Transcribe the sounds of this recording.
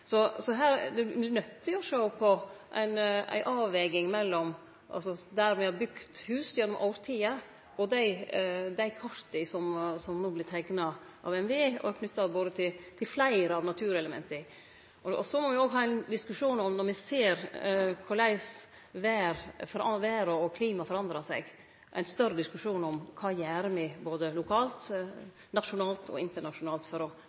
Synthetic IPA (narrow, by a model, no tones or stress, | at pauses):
sɔsɔɦæːɾd̪ɛɪnœt̪ːɪɔʂɔʊpʰɔʔæ̰ɪnæ̰ɪʔɑːʋɛːɡɪŋmɛlːɔm | ʔɑ̰lsɔd̪æɾmɛhɑɾbʉkt̪hʉːsjɛnːɔmʔɔʊɾt̪ʰiːə | ɔd̪æɪd̪æɪkʰɑɾt̪ɪsɔmsɔmnuːblɪt̪ʰɛɡnɑ | ʔɑ̰ʋɛnʋeːɔ̰æɾkʰnʏt̪ːɑboːd̪ət̪ʰɪlt̪ʰɪlflæɪɾəɑʋnɑt̪ʰʉːɾɛləmɛ̰nt̪əɪ | ɔɔ̰sɔmɔʋɪoːɡɦɑːæɪnd̪ɪskʉʂuːnɔmnɔɾmɪseːɾkʰʊɭæɪs | ʋæːɾfɔɾɑʋæːɾɔɔkʰliːmɑfɔɾɑnd̪ɾɑsɛ̰ɡ | ʔæ̰ɪnst̪œɾəd̪ɪskʉʂuːnɔmkʰɑːjæːɾəmɛboːd̪əlʊkʰɑːlt̪ | nɑʃʊnɑːlt̪ʰɔ̰ɪnt̪əɳɑʂʊnɑːlt̪fɔɾɔ